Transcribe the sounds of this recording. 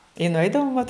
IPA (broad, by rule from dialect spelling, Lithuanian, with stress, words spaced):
ɪ nʊˈɛɪdɐʋoːm ʋɐt